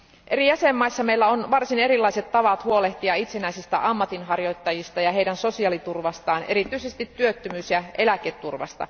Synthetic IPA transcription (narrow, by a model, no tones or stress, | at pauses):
ʔe̞ɾijæsemːɑisːɑmeilːæonʋɑrsine̞ɾilːɑiset̪tɑʋɑt̪huo̞leht̪iɑit̪senæisist̪æ̰ʔɑmːɑt̪inɦɑrjo̞jt̪ːɑjist̪ɑjɑɦejdɾænso̞siɑlit̪urʋɑst̪ɑːne̞ɾit̪ːˑyisest̪it̪ːyøt̪ːømyːsjɑʔe̞læket̪ːurʋɑ̰st̪ɑ̰